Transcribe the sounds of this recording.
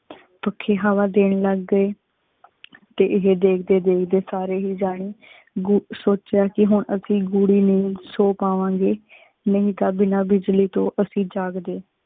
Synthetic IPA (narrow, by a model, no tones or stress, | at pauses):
pəkʰːeːɦaːʋaːd̪eːɳləɡːəeː | t̪eːʔɪɦeːd̪eːkʰd̪eːd̪eːkʰd̪eːsaːɾeːɦiːd͡ʒaːɽ̃iː | ɡsoːt͡ʃjaːkɪɦʊɳəsĩːɡuːɽiːnəĩːsoːpaːʋãːŋɡeː | nəĩːt̪aːbɪnãːbɪd͡ʒliːt̪õːʔəsĩːd͡ʒaːɡd̪eː